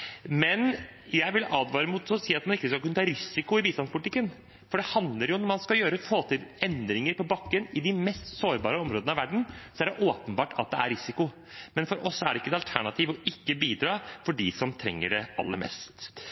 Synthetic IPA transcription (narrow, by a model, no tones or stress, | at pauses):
mɛnjæɪʋɪlʔɑːd̪ʋɑːɾəmuːt̪sɔsiːɑt̪̚mɑnɪkːəskɑlkʉnət̪ɑːɾɪsɪkʊɪbiːst̪ɑnspʊlɪt̪ɪkːən | fɔɖɛhɑnd̪ləɾjʊnɔɾmɑnskɑljøːɾəfoːt̪ʰɪlɛnd̪ɾɪŋəɾpɔbɑkːənɪd̪ɪmɛst̪soːɾbɑːɾəɔmɾoːd̪əɑʋæɖɳ̩sɔæɖɛʔoːpənbɑːʈʰɑ̰t̪̚d̪ɛæ̰ɾɪsɪkʊ | mɛnfɔɾʔɔsːɔæɖɛɪkːəd̪ɛɑlt̪ʰæɳɑt̪ʰiːʋɔɪkːəbiːd̪ɾɑːfɔɖɪsɔmt̪ʰɾɛ̰ŋːə̰ɖɛɑ̰lːə̰mɛ̰st̪